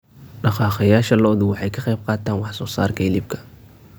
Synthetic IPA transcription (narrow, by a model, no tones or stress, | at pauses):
ɖɑqɑːχɑjaːʃɐlɔːðʊwɑħɑjkʰɑqɑjb̚qɑːt̪ʰaːnwɑħsɔːsa̰ːrkʰɐlɪb̚kʰɐ̥